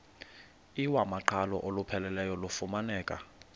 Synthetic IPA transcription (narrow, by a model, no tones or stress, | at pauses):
iwamaǃʰalɔ̰ʔolupʰɛlɛlɛjɔlufumanɛːkʼa̰